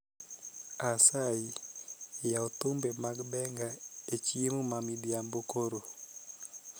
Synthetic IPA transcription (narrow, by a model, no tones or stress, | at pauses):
asai | jaot̪ʊmbemaɡbɛŋɡaet͡ʃiemomamidiambokoɾo